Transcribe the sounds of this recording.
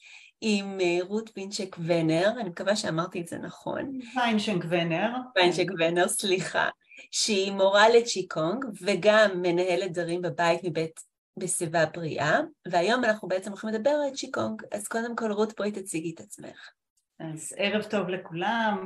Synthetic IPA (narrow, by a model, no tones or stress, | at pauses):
imʁut̪binʃekveneʁanimekavaʃeamaʁt̪ielzḛnaχo̞̰nvajnʃeŋkveneʁvajnʃekveneʁsliχa̰ | ʃeimo̞ʁalet͡ʃikʰoŋɡveɡamːe̞nahe̞let̪̚d̪vaʁimbebait̪mibet | besevabʁiʔaveajo̞manaχnube̞et͡semʁoχimed̪abe̞ʁalt͡ʃikoŋɡa̰z̥ko̞d̪e̞mko̞lʁutbo̞it̪at͡siɡet̪at͡smḛχ | ʔazeʁevt̪o̞vlekulam